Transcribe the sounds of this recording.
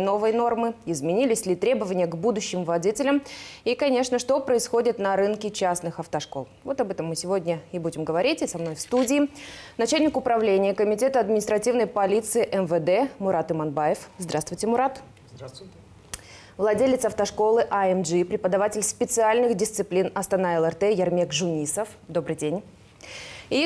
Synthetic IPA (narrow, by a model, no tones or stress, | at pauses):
no̞vəjno̞rmɨɪzmʲɪnʲilʲɪsʲlʲɪt̪ɾʲe̞bəvənʲɪjəɡbud̪ʊɕːɪmvlˠɐdʲitʲɪlʲəmikɐnʲe̞ʂnəʂt̪o̞pɾəɪsxo̞dʲɪt̪nɐɾɨnkʲɪt͡ɕasnɨxɐft̪ɐʂko̞̰lˠvo̞t̪ɐbɛt̪əmːɨsʲɪvo̞dʲnʲəɪbudʲɪmɡəvɐɾʲitʲɪsɐmno̞jfst̪udʲɪːnɐt͡ɕalʲnʲɪkʊpɾɐvlʲenʲɪjəkəmʲɪtʲet̪əɐd̪mʲɪnʲɪst̪ɾɐtʲivnəjpɐlʲit̪sɨɪʔɛnvəd̪ɛmʊɾat̪ɨmɐnbajɪfzd̪ɾast̪vʊjtʲɪmʊɾat̪ | vlˠɐdʲelʲɪt̪sɐft̪ɐʂko̞lˠɨʔɐɛmʐipɾʲɪpəd̪ɐvatʲɪlʲspʲɪt̪sɨalʲnɨxdʲɪst̪sɨplʲinɐst̪ɐnaɛlˠɛrt̪ɛjɐrmʲekʐʊnʲisəfd̪o̞bɾɨjdʲenʲ | i